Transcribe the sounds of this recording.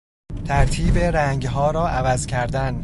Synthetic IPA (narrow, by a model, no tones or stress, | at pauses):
t̪ʰæɾt̪ʰiːbeɾæŋɡɦɒːɾɒːʔævæzcʰæɾd̪æn